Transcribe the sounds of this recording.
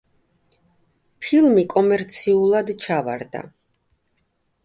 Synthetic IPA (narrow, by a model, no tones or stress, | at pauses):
pʰilˠmikʼɔmɛɾt̪sʰiulˠad̪t͡ʃʰava̰ɾd̪a̰